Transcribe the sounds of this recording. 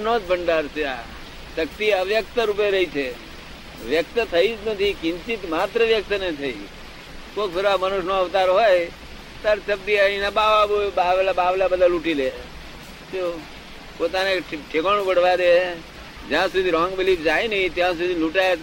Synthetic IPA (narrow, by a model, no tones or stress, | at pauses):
nod͡ʒbʱəɳɖaɾseja̰ | ʃək̚t̪iəʋjək̚t̪əɾup̬eɾəɦit͡ʃʰe | ʋjək̚t̪t̪ʰəid͡ʒnət̪ʰikɪ̃nt͡ʃit̪maːt̪ɾəʋjək̚t̪net̪ʰəi | koːkpʰɪɾʋamənʊʃnoəʋt̪aɾɦoj | t̪əɾt͡ʃəb̚d̪iaĩnabaʋabobaʋlabaʋlabəd̪əluʈile | t̪o | pot̪aneʈʰekəɳ̃ũbəɽ̤ʋad̪e | d͡ʒjãsud̪ʱiɾɔ̃ŋɡʋɪlipʰd͡ʒainəɦĩt̪jãs̬ud̪ʱiluʈaj